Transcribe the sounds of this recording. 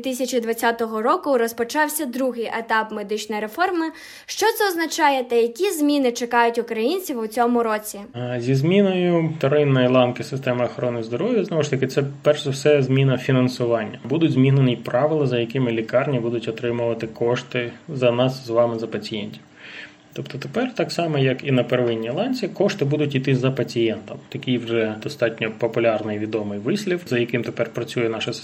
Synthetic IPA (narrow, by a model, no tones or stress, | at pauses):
it̪ɪsʲɐt͡ʃid̪ʋɐt͡sʲat̪ɔɦɔɾɔkʊɾɔspɔt͡ʃɑwsʲɐd̪ɾuɦɪjʔet̪ɑpmed̪ɪt͡ʃnɔjɾe̞fɔrmɪ | ʃt͡ʃɔt̪sɛɔznɐt͡ʃɑjet̪ɛjɐkʲizʲmʲinɪt͡ʃekɑjʊtʲʊkɾɐjinʲt͡sʲiwʊt͡sʲɔmʊɾɔt͡sʲizʲizmʲinɔjʊt̪ɐɾɪnːɔjilˠɑnkɪsɪst̪ɛmɪɐxɔɾɔnɪjzd̪ɔɾɔʋʲjɐznɔʋɔʃt̪ɐkɪt̪sɛpɛrʂɛwsɛzmʲinɐfʲinɐnsʊʋɑnʲːɐbud̪ʊdʲzmʲiɦnenipɾɑʋɪlˠɐzɐjɐkɪmɪlʲikɑrnʲibud̪ʊtʲɔt̪ɾɪmʊʋɐt̪ɪkɔʃt̪ɪzɐnɑszʋɑmɪzɐpɐt͡sʲijɛnʲtʲiw | t̪ɔpt̪ɔt̪epɛrt̪ɑksɑmɛjɐkinɐpeɾʋɪnʲːilˠɑnʲt͡sʲikɔʂt̪ɪbud̪ʊtʲit̪ɪzɐpɐt͡sʲijɛnt̪ɐmt̪ɐkʲijwʐɛd̪ɔst̪ɑtʲnʲɔpɔpʊlʲɑrnɪjʋʲid̪ɔmɪjʋɪsʲlʲifzɐjɐkɪmt̪epɛrpɾɐt͡sʲujɛnɑʃɐs